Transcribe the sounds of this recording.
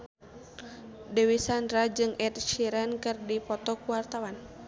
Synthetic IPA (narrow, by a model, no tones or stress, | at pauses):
dɛwisandɾad͡ʒɨŋɛt̪̚ʃiɾankɨrdipɔt̪ɔkuwart̪awan